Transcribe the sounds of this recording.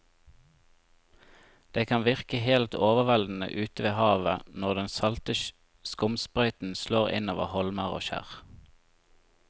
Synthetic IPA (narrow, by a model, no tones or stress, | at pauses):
d̪̥eːkʰɑnʋɪʁkəhelt̪ʰoːʋəʋɛld̪n̩ə̰ʔʉːt̪əʋeːhɑːʋənɔʁd̪ɛnsɑlt̪əʃ | skʊmspʁœʏt̪n̩sloːʁɪ̰noːʋə̰hɔlməʁo̰ːʃæ̰ʁ